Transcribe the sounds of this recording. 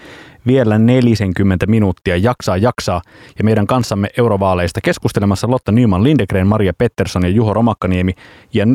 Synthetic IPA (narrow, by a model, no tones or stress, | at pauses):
ʋie̞lːæne̞lise̞ŋkymːent̪æminut̪ːiɑjɑksɑːjɑksɑːjɑme̞jdæŋkɑnsːɑmːeʔe̞wɾoʋɑːle̞jst̪ɑke̞skust̪e̞lemɑsːɑlo̞t̪ːɑnyːmɑnlindekreːnmɑɾiɑpe̞t̪ːe̞rso̞njɑjuɦo̞ɾo̞mɑkːɑnie̞mi | jɑ